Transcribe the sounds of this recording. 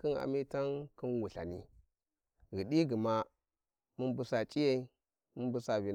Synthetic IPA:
ki˦na̰˨mi˦ta˦nki˦nwu˨ɬa̰˨ni˦ | ɣi˨ɗi˦ɡi˨ma˦ | mu˦nbu˦sa˨t͡ʃʼi˦je˦i˦ | mu˦nbu˦sa˨vi˨

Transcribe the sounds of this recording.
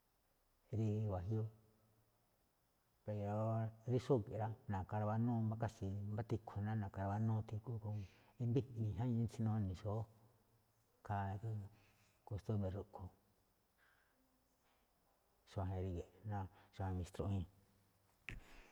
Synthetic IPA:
ɾi˧βa˨ɦjo˦ | pe˨˧˨ɾo˨ɾi˦ʂo˦˨ke˨ɾa˦nã˨ka˧ɾa˧βa˧˦nũ˦˧mba˦ka˦si˧mba˦t̪i˧kʰo˨˧nã˦nã˨ka˧ɾa˧βa˧˦nũː˦˧t̪i˧ku˦ku˧i˧nbi˦ĩ˨ɦã˦ĩ˧˦t͡ʃi˦nõ˧nĩ˨ʂo˨˦ | ka˧ku˦ | ko˧st̪u˦mẽ˧ru˧ʔkʰo˧ | ʃa˧˨ẽ˧ɾi˧ɣe˨nã˦˧ʂa˧˨ẽ˧mĩ˧st̪ɾo˧ĩ˧

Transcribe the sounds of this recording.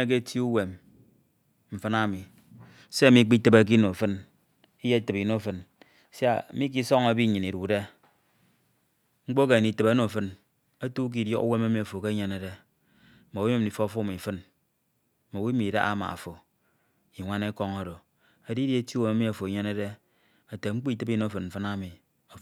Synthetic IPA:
e˦k̬e˦tʰi˦u˦we˨m | m̩˨fɨ˦na˦mi˨ | se˦a˨mi˦k͡pi˦tɨ˦ba˨k̬i˦no˨fɨ˦n | i˦je˦tɨ˨pi˨no˦fɨ˦n˨ | sa̰˦˨˦mi˦k̬i˦sɔ˦ŋa˨bi˦˨ɲɨ˨ni˨ɾu˨de˦ | ŋ͡m̩˦k͡po˦ke˨ni˨tɨ˨ba˦no˨fɨ˦n | a˦tu˦k̬i˨djɔ̰˦ka̰˦we˦ma˦mi˨a˨fo˨ke˦ɲe˨ne˨˦de˦ | mo˨wi˦me˦m̩˨i˨fo˦˨˦fo˦˨mi˨fɨ˦n | ma˨wi˦mi˨da̰˦a̰˦ma̰˨a̰˨fo˨ | i˨ŋʷa˦ne˦ko˦ŋo˦do˨ | e˨di˦di˦e˦tu˦we˦ma˦mi˦a˨fo˨i˨ɲe˦ne˦de˦ | a˨te˨ŋ͡m̩˦k͡pi˦tɨ˦bi˦no˦fɨ˨nm̩˨fɨ˦na˦mi˨ | a˨

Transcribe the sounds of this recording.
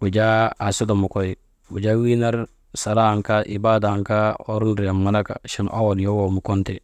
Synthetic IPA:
wu˨ɟa˦a˨su˦do˨mu˨koj | wṵ˨ɟa˦wi˦na˦ɾ | sa˨ɾaː˦ŋkaʔḭ˨baː˦daŋkao̰ɾunɾi˨ja˨mːana˦ka̰˨ʃi˦nʔa˦wonjowo˨mu˨ko˦ntɛ

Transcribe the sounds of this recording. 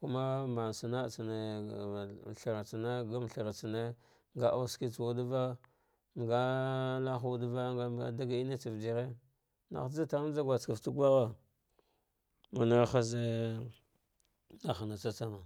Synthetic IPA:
ku˦ma˦ma˨n˨sa˨na˦˨t͡si˨ne˨ | ɬa˨ɾa˨t͡sa˨na˦ɡa˦m˨ɬi˨ɾa˨t͡si˨ne˦ | ŋɡa˦ʔa˦ski˦t͡swu˦dva˦ | ŋɡa˦la˦xwu˦dva˦ɡa˦a̰˨da˦ɡa˨i˦ne˦t͡si˨vdi˨ɾe˦ | na̰˨xd͡za˦ta˨˦d͡ʒa˦ɡʷa˨t͡ska˨ftu˦ɡʷa˦ɣa˨ | ma˨na˦ɾxa˦ze˦ | a˨xa˨na˨t͡sa˦t͡sa˦ma˨

